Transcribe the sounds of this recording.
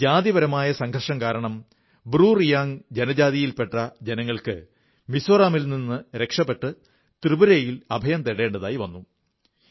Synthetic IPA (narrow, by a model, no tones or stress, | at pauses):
d͡ʑaːðiʋɐɾɐmaːjɐsɐŋɡʰʱɐrʂɐŋkaːɾɐɳɐm | bɾuːrijaːŋd͡ʑenɐd͡ʑaːðijilpeʈːɐd͡ʑenɐŋːɐɭkɨ̰ | misoːraːmilninːɨɾe̞kʂɐpːe̞ʈːɨ | t̪rɨbuɾejilɐbʱɐjɐmt̪eɽe̞ːɳɖɐða̰ːjiʋɐnːu